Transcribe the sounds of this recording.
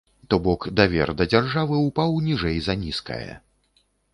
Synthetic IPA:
t̪ɔbɔkd̪avʲɛ̰rd̪ɐd͡zʲarʐavɨupawnʲiʐɛjzɐnʲiskɐ̰jɐ̰

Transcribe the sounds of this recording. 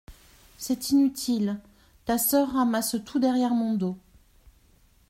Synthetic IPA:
sɛt̪inyt̪ʰil | t̪asœʁːamast̪ʰud̪ɛʁjɛʁmɔ̃d̪o

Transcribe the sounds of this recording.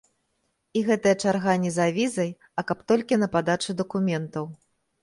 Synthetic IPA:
iɣɛt̪ɐjɐt͡ʂarɣanʲɛzavʲizɐj | ɐkɐpt̪ɔlʲkʲinɐpad̪at͡ʂɨd̪ɐkumʲɛnt̪ɐw

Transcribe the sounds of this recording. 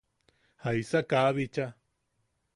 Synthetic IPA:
haisakaβit͡ʃa

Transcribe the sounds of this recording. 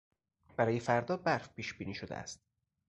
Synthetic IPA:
b̥æɾɒːjefæɾd̪ɒːbæɾfpʰiːʃb̥iːniːʃod̪ḛæ̰st̪̚

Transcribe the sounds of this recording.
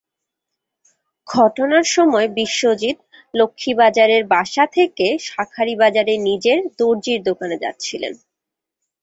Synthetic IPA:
ɡʱɔʈonaɾʃɔmɔebiʃːod͡ʑit̪ | lokʰːibad͡ʑaɾeɾbaʃat̪ʰekeʃakʰaɾibad͡ʑaɾenid͡ʑeɾd̪oɾd͡ʑiɾd̪okaned͡ʑa̰t̪ːɕʰilḛn

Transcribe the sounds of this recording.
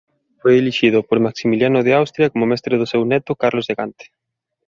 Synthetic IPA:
fojeliʃið̞ʊpoɾmaksimiljanʊðeawst̪ɾjɐkomomɛst̪ɾeð̞ʊsewnɛt̪ʊkaɾlozðeɣant̪e̥

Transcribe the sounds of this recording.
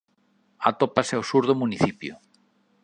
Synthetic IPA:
at̪opasɛosuɾðʊmuniθipjʊ̰

